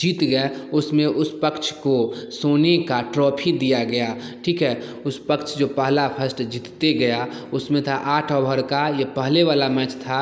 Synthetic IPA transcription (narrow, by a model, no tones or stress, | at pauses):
d͡ʒiːt̪ɡəɛʊsmẽʔʊspəkt͡ʃʰkosoːnekaʈɾɔːpʰid̪ijaɡɐjaʈʰiːkɦɛːʊspəkt͡ʃʰd͡ʒoːpəɦlapʰəsʈd͡ʒiːt̪t̪eɡəjaʊsmẽt̪ʰaʔaːʈʰɔːbəɾkajəpəɦleʋaːlamɛ̃t͡ʃt̪ʰa